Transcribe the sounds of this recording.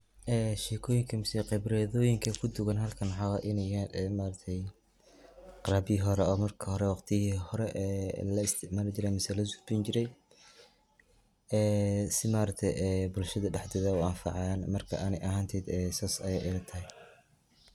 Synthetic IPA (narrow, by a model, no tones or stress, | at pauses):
ʔɛːʃɛːkʰɔːjɪŋkʰɐmɪsɛqɛbɾɛðɔːjɪŋkʰɐkʰʊd̪ʊɣɐnɦɐlkʰɐnħɑwɑːʔɪnɛɛmaːɾɐk̚t̪ʰɛj | qɑɾaːbɪiɦɔɾɛɔːmɐrkʰɐhɔɾɛwɑqt̪ʰɪhihɔɾɛʔɛlɐɪst̪ʰɪʕmaːlɪt͡ʃɪɾɛmɪsɛlɐsʊfbint͡ʃɪɾɛj | ɛːsɪmaːɾɐk̚t̪ʰɛjɛbʊlʃɐðɐɖɛħd̪ɛːðɐʊɐnfɑ̰ʕɑnmɐrkʰɐ̰ʔɐnɛjʔɐɦaːnt̪ʰɛːd̪ɛsaːsɐjɛʔɪlɐt̪ʰɐɦɛ